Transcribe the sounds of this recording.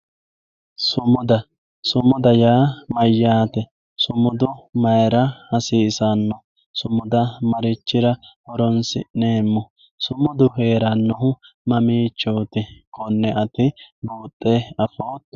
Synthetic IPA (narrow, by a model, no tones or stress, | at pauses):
sʊmʊd̪ɐ | sʊmʊd̪ɐjaːmɐjːaːt̪ɛ | sʊmʊd̪ʊmɐjɾɐhɐsiːsanːɔ | sʊmʊd̪ɐmɐɾɪt͡ʃːɪɾɐhɔɾɔnsɪ̰ʔneːmːʊ | sʊmʊd̪ʊhe̞ːɾɐnːɔɦʊ | mɐmiːt͡ʃːoːt̪ɪkɔnːɛʔɐt̪ɪbuːt̪ʼːɛɐfoːt̪